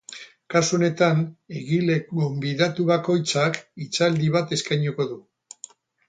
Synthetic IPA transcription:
kasuo̞ne̞t̪ane̞ɣile̞ɡo̞mbiðat̪uβako̞jt͡sakit͡sald̪iβat̪e̞skajɲuko̞ðu

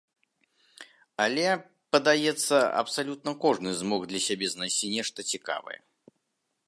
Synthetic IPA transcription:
alʲɛ | pɐd̪ajɛt̪sːɐɐ̰psalʲut̪̚nɐkɔʐnɨzmɔɣd̪lʲɐsʲabʲɛznajsʲt͡sʲinʲɛʂt̪ɐt͡sʲika̰vɐ̰jɛ̰

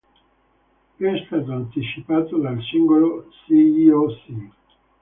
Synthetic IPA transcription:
pɛst̪ɛd̪ant̪it͡ʃipaːt̪od̪alsiŋɡolosiiosi

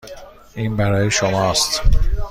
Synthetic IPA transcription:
ʔiːnbæɾɒːjeʃomɒːst̪

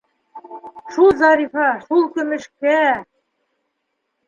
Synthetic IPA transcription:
ʃulˠzɑɾifɑʃulˠkɵ̆mɘ̆ʃkæ

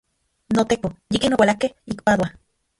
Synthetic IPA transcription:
not̪ekojikenowalakehik̚paðwa

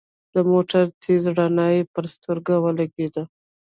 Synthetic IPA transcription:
d̪əmoʈaɾt̪ʰezɽanɑjepəɾst̪əɾɡawəlaɡed̪a

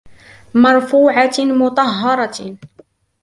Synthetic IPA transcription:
mɑɾˤfuːʕamʊt̪ˤɑɦːɑɾˤɑ

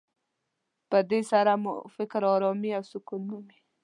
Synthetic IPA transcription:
pəd̪esaɾamʊ̰fɪkɾɑɾɔmiawsʊkunnəmi

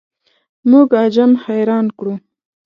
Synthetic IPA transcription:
muɡɑd͡ʒamxajɾɑnkɽu

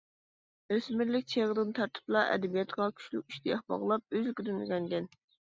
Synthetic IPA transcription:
øsmɪɾlɪk̚ʲt͡ʃʰeʁəd̪ɨnt̪ʰɑɾt̪ʰɨ̥plˠɑʔɛ̰d̪ɛbijɑt̪ʁɑkʲʰy̥ʃlykʲyʃt̪ʰijɑχbɑ̰ʁlˠɑp̚øzkʲyd̪ɪnɡʲɛnɡʲɛn

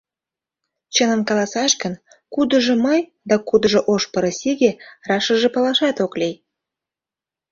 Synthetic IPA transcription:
t͡ɕənə̆mkɑlɑsɑʃkən | kud̪ə̆ʒɤ̆məj | d̪ɑkud̪ə̆ʒɤ̆ʔoʃpəɾə̆siɣerɑʃə̆ʒĕpɑlɑʃɑt̪oklʲej

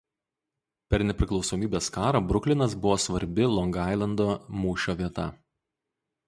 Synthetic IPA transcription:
pʲɛɾnʲɛpʲɾʲɪklˠɒʊsoːmʲiːbʲeːskɑːɾɐbɾʊklʲɪnɐs̬bʊʋoːsʋɐɾʲbʲɪlˠɔŋɡɑˑɪlˠɐnd̪oːmuːʃʲoːʋʲiɛt̪ɐ̰

